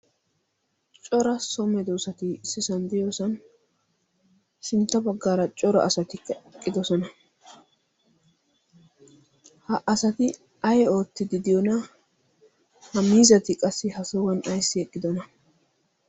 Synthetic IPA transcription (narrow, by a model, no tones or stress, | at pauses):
t͡ʃʼɔɾɐsɔmɛd̪oːsɐt̪ɪsːɪsɐnd̪ɪjoːsɐn | ʃɪnt̪ːɐbɐɡːaːɾɐt͡ʃʼɔɾɐ̰ʔɐsɐt̪ɪkɐkʼːɪd̪ɔsɔnɐ | hɐʔɐsɐt̪ɪ | ɐjɛo̞ːt̪ːɪd̪ɪd̪ɪjɔnɐ | hɐmiːzɐt̪ɪkʼɐsːɪhɐsɔwɐnɐjsːɪɛkʼːɪd̪ɔnɐ